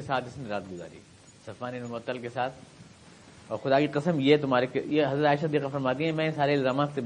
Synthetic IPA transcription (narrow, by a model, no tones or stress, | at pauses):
esaːt̪ɪsneɾaːt̪̚ɡʊza̰ːɾḭː | sɐfaːninmʊət̪ːəlkesaːt̪ʰ | ɔːɾxʊd̪aːkiqɪsəmjet̪ʊmɦaːɾekjeɦɐzɾət̪aːɪʃaɐd̪iːqafɐɾmaːt̪̬iɦɛ̃mɛ̃saːɾeɪlzaːmaːkse